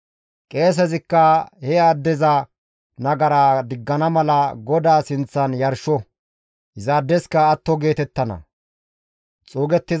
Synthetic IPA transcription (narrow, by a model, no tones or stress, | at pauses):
kʼe̞ːs̬ɛzɪkːɐhɛad̪ːɛzɐ | nɐɡɐɾaːd̪ɪɡːɐnɐmɐlɐɡɔd̪aːsɪnt͡sːɐnjɐɾʃɔ | hɪzɐːd̪ːɛskɐːt̪ːɔɡe̞ːt̪ɛt̪ːɐnɐ̰ | t͡sʼoːɡɛt̪ːɪz